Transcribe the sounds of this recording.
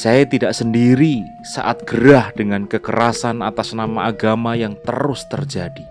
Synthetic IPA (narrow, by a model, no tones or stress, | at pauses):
sajat̪idaʔsəndiɾi | sa̰ʔat̪̚ɡ̥əɾahd̥əŋankəkəɾasanat̪asnamaʔaɡamajaŋt̪əɾʊst̪ərd͡ʒadi